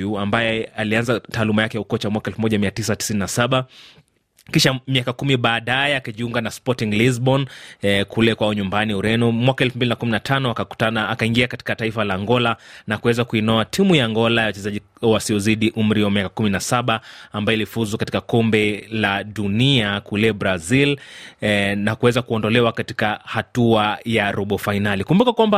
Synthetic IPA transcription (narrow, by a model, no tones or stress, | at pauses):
uambajɛalianzataːlumajakɛjaukɔt͡ʃamwakaɛlfumɔʄamiatisati̥sininasaɓa | kiʃamiakakumiɓaːɗajɛakaʄiuŋɡanaspɔtiŋliz̬bɔnkʰulɛkwaɔɲumbaniuɾɛnɔmwakaɛlfumbilinakuminatʰanɔakau̥taaakaiŋɡiakati̥kataifalaːŋɡɔlanakuwɛzakuinɔatʰimujaːŋɡɔlajawat͡ʃɛzaʄi | wasiɔziɗiʔum̩ɾiwamijakakuminasaɓaambajɔilifuzukati̥kakɔmbɛlaɗuniakulɛbɾazil | nakuwɛzakuɔndɔlɛwakati̥kahatuajaɾɔɓɔfainalikumbukakwamba